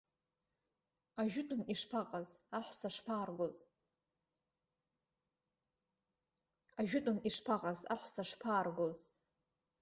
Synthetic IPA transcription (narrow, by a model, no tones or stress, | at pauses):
aʒᶣʊtʼʊniʂpʰaqʼazaħʷsaʂpʰaːrɡʷoz | aʒᶣʊtʷʼʊniʂpʰaqʼaza̰ħʷsaʂpʰaːrɡʷoz